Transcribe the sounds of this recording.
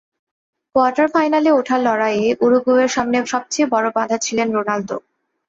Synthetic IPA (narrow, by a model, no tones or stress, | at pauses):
koaʈaɾfajnaleoʈʰalɔɾajeʔuɾuɡueɾʃamneʃɔb̚t͡ɕejbɔɾobad̪ʱat͡ɕʰilenɾonalt̪o̰